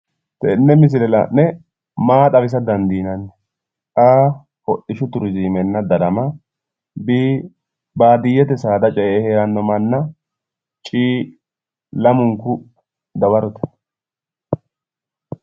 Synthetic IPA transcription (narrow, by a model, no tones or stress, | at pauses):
t̪ɛnːɛmɪs̬ɪlɛlɐ̰nːɛ | maːt̪ʼɐbɪs̬ɐd̪ɐnd̪iːnɐnːɛ̥ | kʼaː | ɔʔɪʃʊt̪ʊɾʊziːmɛnːɐd̪ɐdɐmɐ | biː | baːd̪ɪjːɛt̪ɛsaːd̪ɐt͡ʃʼɛeheːɾɐnːɔmɐnːɐ | t͡ʃʼiː | lɐmʊŋkʊ | d̪ɐbɐɾɔt̪ɛ̥